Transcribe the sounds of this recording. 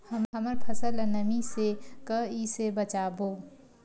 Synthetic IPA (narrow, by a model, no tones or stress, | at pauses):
həmɦəməɾpʰəsəlnəmisekəisebət͡ʃaboː